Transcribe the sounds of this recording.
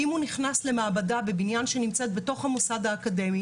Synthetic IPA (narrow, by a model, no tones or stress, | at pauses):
imuniχnasle̞maːbadabebinjanʃe̞nimt͡set̪̚beto̞χhamosadaːkademi